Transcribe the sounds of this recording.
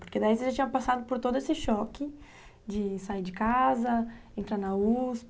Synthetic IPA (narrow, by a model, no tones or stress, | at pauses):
poɾked̪aisɪʒat͡ʃĩɲ̃ɐpasad̪ʊpoɾt̪od̪ʊesɪʃɔkɪ | d͡ʒɪsaiɾd͡ʒɪkazɐẽnt̪ɾaɾnɐusp